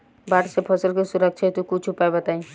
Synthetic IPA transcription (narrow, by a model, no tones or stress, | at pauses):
baːʈsepʰɐsəlkesʊɾəkʃʰet̪ukut͡ʃʰʊpaebət̪aːĩ